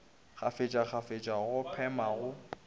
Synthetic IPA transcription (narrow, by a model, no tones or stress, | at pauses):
k͡xʰafet͡ʃʼak͡xʰafet͡ʃʼaɣʊpʰɛmaɣʊ